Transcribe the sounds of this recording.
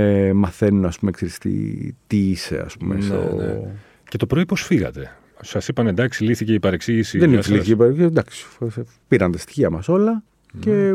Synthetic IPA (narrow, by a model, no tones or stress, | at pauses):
mɐθe̞nunɐspumekseɾist̪ḭt̪iise̞̰ɐ̰spumesso̰ | ce̞t̪o̞pɾoiposfiɣɐ̰t̪e̞ | sɐsipɐnend̪ɐksiliθiceipɐɾeksiʝisiðenisliθiceipɐɾekd̪ɐksi̥s | piɾɐnd̪ɐst̪i̥çiɐmɐso̞lɐ | ce̞